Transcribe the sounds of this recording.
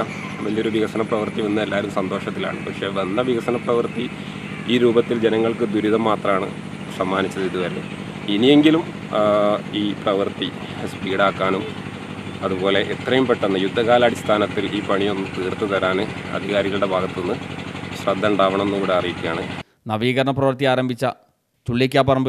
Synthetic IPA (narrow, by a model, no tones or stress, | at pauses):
ʋɐlio̞ɾuʋiɣɐsɐnɐprɐʋɨrt̪iʋɐnːɐelːaːɾumsɐnd̪o̞ːʂɐt̪̬ːila̰ːɳɨpɐkʂe̞ːʋɐnːɐʋiɣɐsɐnɐprɐʋɨrt̪i | iːɾuːbɐt̪ːild͡ʑe̞nɐŋːɐɭkɨd̪uɾiðɐmːaːt̪rɐmaːɳɨ̰ | sɐmːaːnit͡ɕːɐðiðuʋɐɾe̞ | inije̞ŋɡilum | iːprɐʋɨrt̪i | spiːɽaːkːaːnum | ɐðubo̞ːle̞ʔet̪rɐjumpeʈːenːɐjud̪ʱːɐɣaːlaːɽist̪ʰaːnɐt̪ːilʔiːpɐɳijo̞nːɨt̪iːrt̪ːɨt̪ɐɾaːnɨɐ̰d̪ʱiɣaːɾiɣɐɭuɽe̞bʱaːɣɐt̪ːonːɨɕrɐd̪ʱːɐuɳɖaːʋɐɳɐme̞nːɨkuːɽe̞ɐrijikʲːija̰ːɳɨ | nɐʋiːɣɐɾɐɳɐprɐʋɐrt̪ijaːɾɐmbʱit͡ɕːɐ | t͡ɕuɭːik̬ʲːaːpɐrɐmbɨ